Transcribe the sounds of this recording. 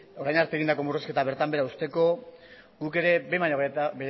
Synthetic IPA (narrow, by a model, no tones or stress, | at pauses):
o̞ɾajnaɾt̪eɣind̪ako̞mureske̞t̪aβe̞ɾt̪ambe̞ɾaust̪e̞ko̞ | ɡuke̞ɾe̞be̞maɲobe